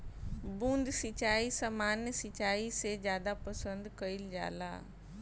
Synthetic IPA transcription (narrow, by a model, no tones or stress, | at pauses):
bũːnd̪sɪt͡ɕaːisɐmaːnsɪt͡ɕaːised͡ʑjaːd̪apɐsə̃nd̪kɐɪld͡ʑa̰ːla̰ː